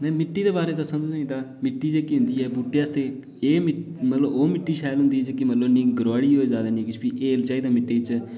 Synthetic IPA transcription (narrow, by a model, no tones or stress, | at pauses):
nɛ̃ːmɪʈːiːd̪eːbaːɾeːt̪ãːsə̃nd̪sĩd̪aːmɪʈːiːd͡ʒeːkiɦʊ̃nd̪iːɛːbuːʈːeːaːst̪eː | eːmɪmət̪ləboːmɪʈːiːʃaːjlɦʊ̃nd̪iːɛd͡ʒekimət̪ləbnĩːɡəɾwaːɽiːɦoːeːd͡ʒaːd̪aːnĩːkɪt͡ʃʰbiːʔeːlt͡ʃaːiːd̪aːmɪʈːeːɪt͡ʃ